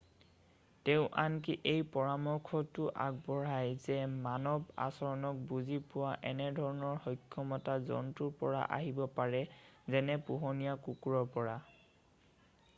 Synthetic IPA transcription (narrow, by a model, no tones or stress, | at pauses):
teʊ̃ʔankiʔejpɔɹamɔkʰɔtʊʔa̰ɡ̚bɔɹajzɛmanɔba̰sɔɹɔnɔk̚buzipʊwaʔɛnɛdʱɔɹɔnɔɹhɔjkʰːɔmɔtazɔ̰ntuɹpɔɹa̰ʔa̰ɦibɔpaɹɛzɛnɛpuɦɔnijakukuɹɔɹpɔɹa